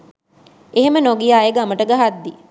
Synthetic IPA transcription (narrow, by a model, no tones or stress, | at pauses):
eɦemənoɡijaːjeɡaməʈəɡaɦad̪ːi